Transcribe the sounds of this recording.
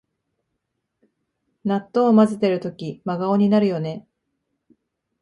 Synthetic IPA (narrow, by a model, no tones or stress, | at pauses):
nat̪ːo̞ːmazɨt̪e̞ɾɯ̟t̪o̞kʲimaɡao̞ɲ̟inaɾɯ̟jo̞ne̞